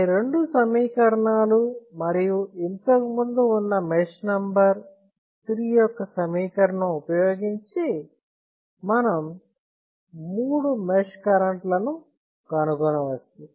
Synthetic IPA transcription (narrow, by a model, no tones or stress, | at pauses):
ɾe̞ɳɖusɐmiːkɐɾɐɳaːlumɐɾijuent̪ɐkimund̪uːnːɐmeʂnɐmbɐɾ | t̪ɾiːjɔkːɐsɐmiːkɐɾɐɳɐupɐjoːɡiɲt͡ʃi | mɐnɐm | uːɽumeʂkɐɾɐɳʈlɐnu | kɐnukɔnɐʋɐst̪i